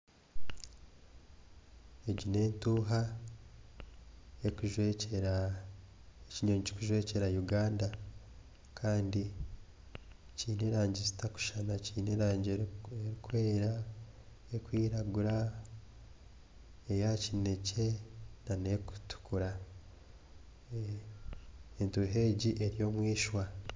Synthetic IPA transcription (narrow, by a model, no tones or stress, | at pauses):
eɟine̞ːntuːɦa | ekuʒeea | eciɲoɲci̥kuʒwe̞ːce̞ɾajuɡaːnda | kʰaːndi | ciːneɾaːɲɟezitaku̥ʃanaciːneɾaːɲɟeeɾikwe̞ːɾa | ekwiːɾaɡuɾa | ejacine̞ce̞nane̞ku̥tu̥kuɾa | entuɦe̞ɟiʔe̞ɾijo̞ːmwiːʃwa